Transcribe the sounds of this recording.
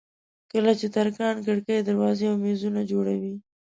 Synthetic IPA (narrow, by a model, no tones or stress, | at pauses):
kəlat͡ʃet̪aɾkɑnkəɽkajd̪aɾwɑzeawmezunad͡ʒoɽawi